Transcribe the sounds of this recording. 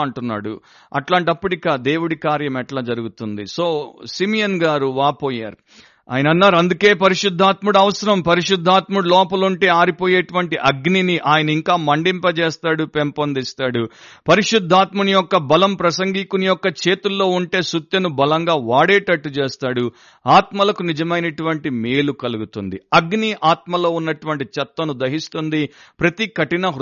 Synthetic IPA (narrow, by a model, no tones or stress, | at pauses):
ɐɳʈunːa̰ːɽṵ | ɐ̰ʈlaːɳʈɐpːuʈikaːd̪e̞ːwuɽikaːɾjɐmɛʈlaːd͡ʒɐɾuɡut̪und̪ḭso̞ːsimijɐnɡaːɾuʋaːpoːja̰ːɾu | a̰ːjɐnɐnːaːɾuɐnd̪uke̞ːpɐɾiʂud̪ʱːaːt̪muɽɐʋɐsɐɾɐmpɐɾiʂud̪ʱːaːt̪muɽlɔːpɐluɳʈe̞ːaːɾipoːjeːʈuʋɐɳʈiʔɐɡniniʔaːjɐnɐiŋkaːmɐɳɖimpɐt͡ʃeːst̪aːɽupempɐnd̪ist̪aːɽupɐɾiʂud̪ʱːaːt̪mɐnijɔkːɐbɐlɐmpɾɐsɐŋɡiːkunijɔkːɐt͡ʃe̞ːt̪ulːo̞ːuɳʈe̞ːsut̪jɐnubɐlɐŋɡaːʋaːɽeːʈɐʈːut͡ʃeːst̪aːɽu | aːt̪mɐlɐkunid͡ʒɐmɐjnɐʈuʋɐɳʈimeːlukɐluɡut̪und̪iɐɡniʔaːt̪̚mɐlo̞ːunːɐʈuʋɐɳʈit͡ʃɐt̪ːɐnud̪ɐɦist̪und̪ipɾɐt̪ikɐʈinɐ